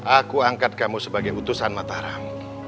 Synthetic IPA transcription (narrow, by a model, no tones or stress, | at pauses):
ʔakuaŋkat̪̚kamusəbaɡajut̪usanmat̪aɾam